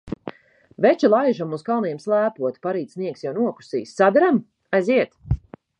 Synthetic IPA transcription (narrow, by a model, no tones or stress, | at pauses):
vɛt͡ʃilˠajʒamuzkalˠnjɛmslˠæːpuɔt̪paɾiːt̪sniɛksjawnuɔku̥sḭːsːad̪aɾam | ajziɛt̪